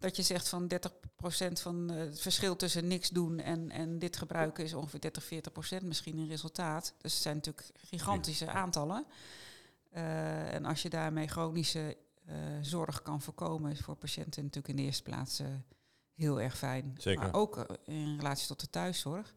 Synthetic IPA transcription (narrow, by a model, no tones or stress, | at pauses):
d̥ɑtjəzɛχtfɑndɛɹtəχprowsɛntfɑntfəɹsχɪlˠtɵsənɪksdunɛ̰nɛ̰ndɪtχəbrœɥkəɪs̬ɔnχəfɪːdɛɹtəχfɪːɹtəχprowsɛntmɪsχinənrezəlˠtaːtd̥øsətsɛjnatyːləkχiχɑntisəʔaːntɑlə | ɛ̰nʔɑ̰sjədaːɹmejχrownisə | zɔɹχkɑnvoːɹkowməfʊːɹpaʃɛ̰ntənɑtyːləkɪndəɪːəɹstə̥pla̰ːts | ɦɪːlˠɛ̰ɹχfɛjnema̰ʔowkɪnrəlaːtsi̥tɔt̚dətœɥsɔɹχ